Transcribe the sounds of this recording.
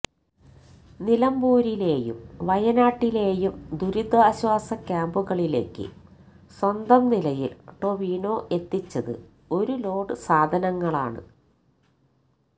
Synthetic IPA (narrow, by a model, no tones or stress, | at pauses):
nilɐmbuːɾile̞ːjṵmʋɐjɐnaːʈːile̞ːjumd̪ʱuɾid̪ʱwɐːɕwaːsɐkʲːaːmbuɣɐɭile̞̰ːkːɨ̰ | swɐnd̪ɐmnilɐjilʈo̞ʋiːno̞ːʔe̞t̪ːit͡ɕːɐðɨ̰ | o̞ɾulo̞ːɽɨsaːd̪ʱɐnɐŋːɐɭa̰ːɳɨ̰